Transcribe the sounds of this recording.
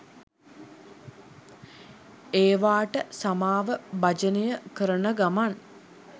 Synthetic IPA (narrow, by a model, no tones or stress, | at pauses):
eːʋaːʈəsamaːʋəbad͡ʒənəjəkəɾənəɡaman